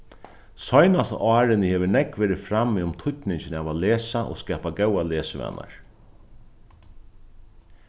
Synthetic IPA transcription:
sɔjnast̪ɑːɾɪnɪhɛːʋɪnɛkʋɛːɾɪfɾamːiʊmt̪ʰʊt̪nɪɲt͡ʃɪnɛːʋaleːsaʔo̰skɛːpaɡɛwaleːsɪʋɛ̰nːa̰ɹ

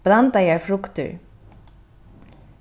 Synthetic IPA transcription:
b̥ɾant̪ajɛːɹfɾʊkt̪ʏ̰ɹ

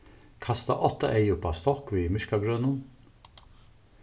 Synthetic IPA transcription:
kʰɑst̪ɑ̰ʔɔt̪əʔeɪʊpɑst̪ɔkʋiːmʏʃkɑɡɹøːnʊn

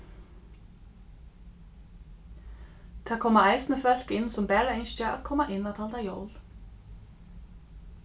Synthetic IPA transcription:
θʰakʰɔːmaajsnəfœl̥kɪnsɔmpɛːɾaenst͡ʃaa̰ðkʰɔːmaʔɪnːat̪ʰaːlt̪ajoːwl

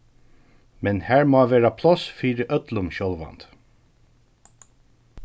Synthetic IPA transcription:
mɛnhæːɹmoːʋeːɹɑpʰlɔsfiːɾəʔœt̪lʊmɕɔlʋɑ̰nt̪

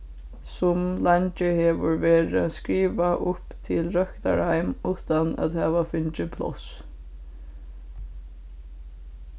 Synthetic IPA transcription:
sʊmlant͡ʃɪhɛːʋʊɹʋeːɾaskɹiːʋaʔʊpt̪ʰɪlɾœkt̪a̰ɹhajmuːt̪anæ̰ðhæːʋafʏnt͡ʃɪpʰlɔ̰s

